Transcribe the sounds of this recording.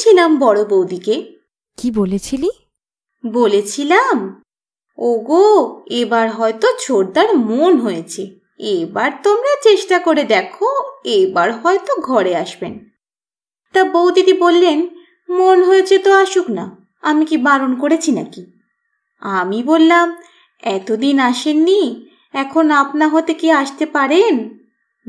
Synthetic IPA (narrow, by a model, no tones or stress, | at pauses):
ilambɔɽobowd̪ike | kibolet͡ɕʰili | bolet͡ɕʰilam | oɡoebaɾɦɔet̪ot͡ɕʰoɾd̪aɾmonɦojet͡ɕʰe | ebaɾt̪omɾat͡ɕeʃʈakoɾed̪ɛkʰoebaɾɦɔet̪oɡʱɔɾeaʃben | t̪abowt̪it̪ibolːen | monɦoet͡ɕʰet̪oaʃukna | amikibalonkoɾet͡ɕʰinaki | amibolːam | ɛt̪od̪inaʃenːi | ɛkʰonapnaɦot̪ekiaʃt̪epaɾen